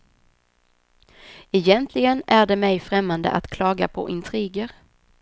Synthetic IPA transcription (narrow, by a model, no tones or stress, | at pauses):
ɛjɛnt̪ʰlɪɡənæɖɛmɛjfɾɛmːand̪ə̰ʔa̰t̪kʰlɑːɡapʰɔ̰ʔɪnt̪ʰɾiːɡəɾ